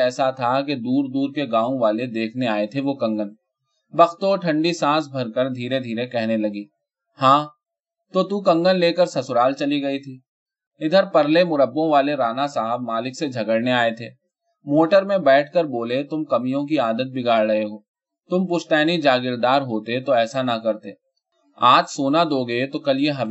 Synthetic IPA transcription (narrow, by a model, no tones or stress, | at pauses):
ɛːsat̪ʰak̬ed̪uːɾd̪uːɾkeɡãːõʋaːled̪eːkʰneaːet̪ʰeʋokɐ̃ŋɡən | bɐxt̪oːʈʰɐ̃ɳɖisãːsbʱɐɾkəɾd̪ʱiːɾed̪ʱiːɾekɛɦnelɐɡiː | hãː | t̪ot̪ukɐ̃ŋɡənleːkəɾsɐsʊɾaːlt͡ʃɐliɡɐit̪ʰiː | ɪd̪ʱəɾpɐɾlemʊɾəbːõʋaːleɾaːnasaːɦəb̚maːlɪksed͡ʒʱɐɡəɽneaːet̪ʰeː | moːʈəɾmẽbɛːʈ̚ʰkəɾboːlet̪ʊmkɐmijõk̬iaːd̪ət̪̚bʱɪɡaːɾɽɐeɦoː | t̪ʊmpʊʃʈ̪ɛːnid͡ʒaːɡɪɾd̪aːɾɦoːt̪et̪oɛːsanɐkɐɾt̪eː | aːt̪soːnad̪oːɡɐet̪okɐlieɦɐb